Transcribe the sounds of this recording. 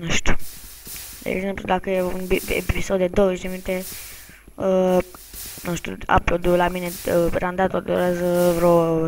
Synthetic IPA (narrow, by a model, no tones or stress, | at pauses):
nəʃt̪u̥ | d̪ḛup̪ud̪akəjeunbḛpisod̪ed̪oʃd̪emint̪e | ə | nəʃt̪ṵa̰plod̪ulamineɾand̪at̪old̪oɾezvɾo